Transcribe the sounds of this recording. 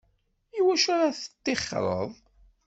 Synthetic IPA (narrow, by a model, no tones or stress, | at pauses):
iwæʃʊɾaθə̥t̪ːɪχɾˤə̰ðˤ